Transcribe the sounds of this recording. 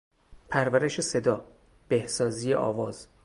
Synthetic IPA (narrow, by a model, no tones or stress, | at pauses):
pʰæɾvæɾe̞ʃe̞se̞d̪ɒː | b̥ehsɒːzijḛʔɒ̰ːvɒːz̥